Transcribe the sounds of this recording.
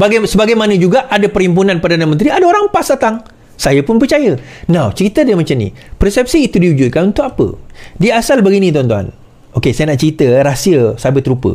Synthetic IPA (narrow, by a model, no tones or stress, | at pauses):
baɡasəbaɡajmãnə̃d͡ʒuɡaʔadapəɾhimp̬unãnpərdanə̃mənt̪ɾiadaoɾaŋpasat̪aŋ | sajəpʊnpərt͡ʃajə | nãwt͡ʃəɾit̪ədimat͡ʃamnḭpərsɛp̚siːt̪udiud͡ʒʊt̪̚kanunt̪ʊkapə̰diasalbəɡinĩt̪uant̪uɦa̰n | ʔokesajənaʔt͡ʃəɾit̪əɾasiəsabɪt̪ɾupə̰